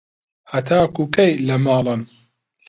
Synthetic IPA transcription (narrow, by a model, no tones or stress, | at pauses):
hɐt̪ʰaːkukɐjlɐmaːlɨn